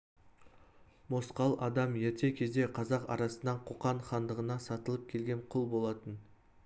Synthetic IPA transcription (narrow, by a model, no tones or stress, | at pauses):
mo̞sqɑlˠɑd̪ɑmjet̪e̞kʲʰe̞zd̪e̞qʰɑzɑqɑ̰ɾɑsənːɑɴqʰoqɑɴχɑnd̪əʁənɑsɑt̪əlˠəp̚kʲʰe̞lɡʲe̞ɴqʰʊlˠbo̞lˠɑt̪ən